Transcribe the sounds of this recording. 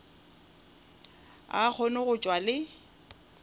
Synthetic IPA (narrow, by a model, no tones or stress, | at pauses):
a̰k͡xʰɔnʊɣʊt͡ʃʼwalɪ